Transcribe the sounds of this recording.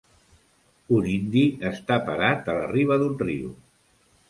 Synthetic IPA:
unind̪iəst̪apəɾat̪ələ̰riβ̞əðunrḭṵ

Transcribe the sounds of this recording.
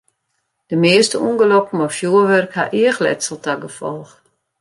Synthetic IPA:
d̥əmɪəstəunɡəlɔkm̩ɔfjuəʋɛrkha̰ʔɪəxlɛ̰tsəl̩ˠtaɡəfɔlˠx

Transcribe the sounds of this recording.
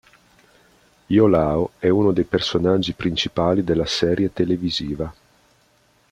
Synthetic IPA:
jolaːoɛunod̪ejpersonad͡ʒːipɾint͡ʃipaːlid̪elːasɛːɾjet̪eleviziːva

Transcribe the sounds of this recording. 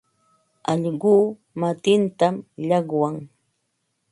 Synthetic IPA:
ɑʎɢuː | mat̪ɪnt̪amʎɑɢwaŋ

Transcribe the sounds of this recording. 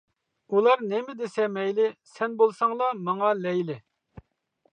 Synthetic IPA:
ulˠɑɾnɪmɪd̪ɪsɛmɛjlɪsɛnbolˠsɑŋlˠɑmɑŋɑlɛjlɪ

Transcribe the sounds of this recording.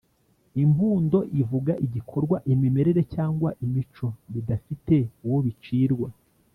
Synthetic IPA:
imbuːndo̞ʔivuɡaʔiɟikʰo̞ɾɡwaʔimime̞ɾe̞ɾe̞caːŋɡwaʔimit͡ʃo̞βidafite̞uwo̞βit͡ʃiːɾɡwa

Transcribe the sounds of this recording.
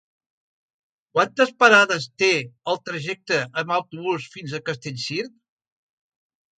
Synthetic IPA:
kwant̪əspəɾaðəst̪eəlˠt̪ɾəʒɛk̚t̪əʔəməwt̪uβ̞usfinzəkəst̪eʎʲsiɾt̪̚

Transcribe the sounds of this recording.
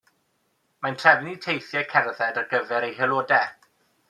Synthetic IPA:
mantʰr̥ɛvɪnitʰejθjɛkʰɛrðɛdarɡəvɛɾejɦɛlˠoːdɛ

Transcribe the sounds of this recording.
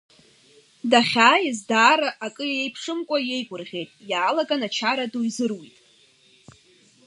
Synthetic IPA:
daχʲaːjɪzdaːɾaʔakʼɨjjejpʰʂɨmkʷʼaje̞jɡʷʊrʁʲe̞jtʼjaːlaɡanat͡ʃʰaɾaduizɨrwitʼ

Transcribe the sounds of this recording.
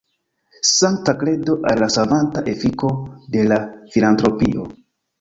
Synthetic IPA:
saŋtakle̞do̞ʔalːasavantaʔe̞fiko̞de̞lafilantɾo̞piʔo̞̰

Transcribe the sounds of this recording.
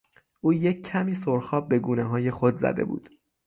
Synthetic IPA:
ʔuːje̞cʰːæmiːsoɾxɒːb̚be̞ɡuːneɦɒːje̞xod̪zæ̰d̪e̞̰bṵːd̪̥

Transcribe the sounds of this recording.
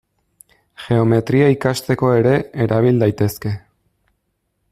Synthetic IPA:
ʝe̞o̞me̞t̪ɾiaikast̪e̞ko̞e̞ɾe̞ːɾʔaβ̞ild̪ajt̪e̞ske̞

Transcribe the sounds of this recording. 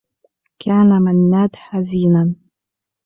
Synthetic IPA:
kʰaːnamanːaːd̪ħaziːnan

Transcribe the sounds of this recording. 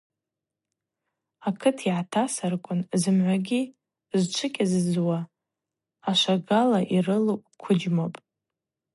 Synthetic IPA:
akʰɨtʰiʕatʰasarkʷʼʊnzɨmʕʷaɡʲi | zt͡ʃʷʰɨkʲʼazzwaː | ʃʷaɡalaʔirɨlopʼkʷʰʊd͡ʒmopʼ

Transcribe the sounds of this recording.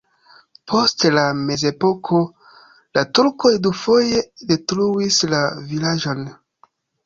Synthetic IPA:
pʰo̞stlame̞ze̞po̞kʰo̞ | latuɾko̞jdufo̞je̞de̞tɾuislavilaʒo̞n

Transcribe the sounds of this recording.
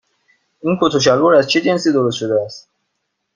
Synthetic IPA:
ʔiːnkʰot̪ʰoʃ̬æloɾæzt͡ʃʰed͡ʒe̞nsiːd̪o̞ɾost̪ʃo̞d̪eæst̪

